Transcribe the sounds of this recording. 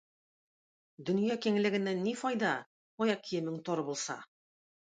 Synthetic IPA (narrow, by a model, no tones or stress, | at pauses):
d̪ɵ̆njɑkiŋ̆lɘ̆ɡɘ̆nːænːifɒjd̪ɑ | ɒjɑq̚kʰːijɘ̆mɘŋt̪ɒɾɤbulˠsɑ̰